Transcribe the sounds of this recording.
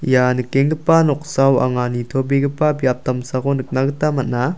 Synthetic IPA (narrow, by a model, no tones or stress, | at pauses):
janɯkeŋɡɯpanɔk̚sawa̰ŋanitʰobiɡɯpabijap̚tamsaɡonɯk̚naɡɯtamat̚na